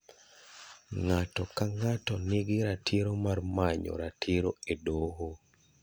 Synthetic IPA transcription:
ŋatɔkaŋatɔniɡiɾatʰiɾomarmaɲɔ̰ɾatʰiɾoedoɦo

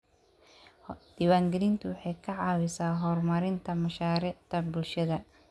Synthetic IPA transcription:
d̪̥iːwaːŋɡɛlɪnt̪ʰʊwɑħɑjkʰɐʕɑːwɪsaːɦɔːrmɐɾɪnt̪ʰɐmɐʃaːɾɪʕt̪ʰɐbʊlʃɐðɐ

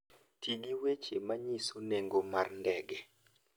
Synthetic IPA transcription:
tʰiɡiwet͡ʃemaɲisoneŋɡomarndɛɡɛ

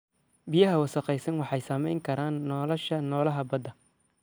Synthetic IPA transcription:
bɪjɐɦɐwɐsɐqɛjsɐnwɑħɑjsɐmɛ̰jŋkʰɐɾaːnːɔlɔʃɐnɔːlɐɦɐbɐd̪ɐ

